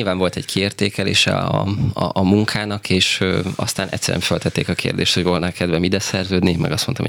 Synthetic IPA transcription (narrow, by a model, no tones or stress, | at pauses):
ilvaːɱvo̞lt̪ɛɟkʰieːrt̪eːkɛlḛːʃɛ̰ɒ̰ɒːmuŋkʰaːnɒkʰeːʃøɒst̪aːnɛ̰csɛɾ̰ɛ̰ɱfølt̪ɛt̪ːeːkɒkʰḛːrd̪eːʃt̪ho̞ɟvo̞lnalkɛd̪vɛmid̪ɛsɛrzøːd̪nimʔɛ̰ɡɒsmont̪ɒ̰mo̰